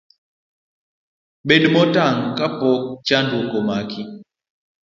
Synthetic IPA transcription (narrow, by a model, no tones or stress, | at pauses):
ɓeɗmɔtaŋkapɔk̚t͡ʃandokɔmakʰi